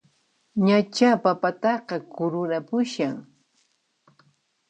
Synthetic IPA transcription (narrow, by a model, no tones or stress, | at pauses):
ɲat͡ʃapapat̪ɑqɑkʊɾʊɾapʊʃaŋ